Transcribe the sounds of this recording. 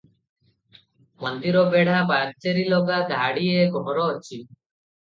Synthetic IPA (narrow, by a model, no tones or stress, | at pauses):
mɔnd̪iɾɔbeɽ̤abaɡt͡ʃeɾilɔɡad̪ʱaɽieɡɔɦɾɔt͡ʃʰi